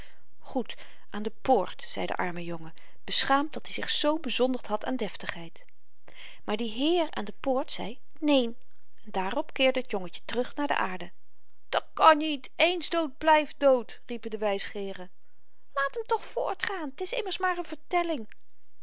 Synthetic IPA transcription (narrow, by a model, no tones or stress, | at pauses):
χut | ʔaːndəpʊːɹtsɛ̰jdə̰ʔɑ̰ɹməjɔŋə | b̥əsχaːm̚dɑtdizɪχsowbəzɔndəɹtɦɑta̰ːndɛftəχɦɛjt | maːɹdiɦɪːɹa̰ːndəpʊːɹtsɛ̰j | nejn | ɛndaːrɔpkɪːɹdəɦətjɔŋəcə̥tərɵχnaːɹdə̰ʔaːɹdə | d̥ɑt̚kɑnitejnzdowt̚blɛjfdowt | ripədəʋɛjsχɪːrə | laːtəmtɔχfʊ̰ːɹtχaːntɪsɪməɹsmaːɹənvəɹtɛlɪŋ